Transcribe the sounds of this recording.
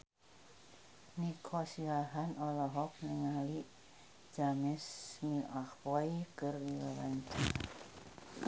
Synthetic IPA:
nikʰɔsiaɦanɔlɔɦɔk̚nɛŋaliʔ | d͡ʒ̥amɛsmiahwɔikərdilɔlanta

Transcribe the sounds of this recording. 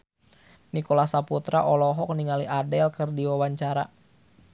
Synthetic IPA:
nikɔlasaput̪ɾaʔɔlɔɦɔk̚niŋaliʔadɛlkərdiwawaɲt͡ʃaɾa̰

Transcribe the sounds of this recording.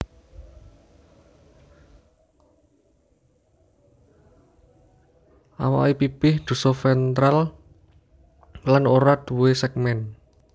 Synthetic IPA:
ʔa̰wa̰wipipɪhd̪̥ṳsɔfɛnt̪ɾal | lanoɾad̪̥wuesɛk̚mɛn

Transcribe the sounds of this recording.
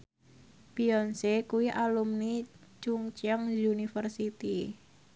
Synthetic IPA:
piɔnsekuwiʔalumnit͡ʃuŋt͡ʃəŋzunifərsit̪i

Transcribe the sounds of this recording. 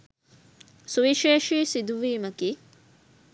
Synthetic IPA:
suʋiʃeːʃiːsid̪uʋiːmɐkiː

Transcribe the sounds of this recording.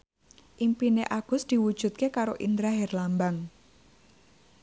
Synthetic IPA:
ʔimpineʔaɡ̥ʊ̤sd̪̥i̤wud̥ʒ̥ṳt̪̚kekaɾoʔind̪ɾaɦɛrlambaŋ

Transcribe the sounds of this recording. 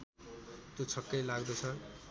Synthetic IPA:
t̪jot͡sʰʌkːʌjlaɡd̪ʌt͡sʰʌ

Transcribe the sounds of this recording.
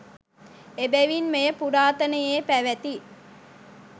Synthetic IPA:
ebæʋinmejəpuɾaːt̪ənəjeːpæʋæt̪i

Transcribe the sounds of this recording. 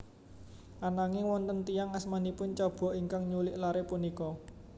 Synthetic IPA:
ʔanaŋɪwɔnt̪ənt̪ijaŋasmanipʊnt͡ʃɔb̥ɔ̤ʔiŋkaŋɲulɪʔlaɾepunikɔ

